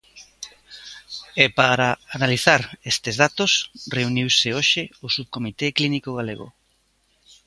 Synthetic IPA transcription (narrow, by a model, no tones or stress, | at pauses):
epaɾaanaliθaɾest̪ezðat̪osreuniwseoʃeosuβkomit̪eklinikoɣ̞alḛɣo̰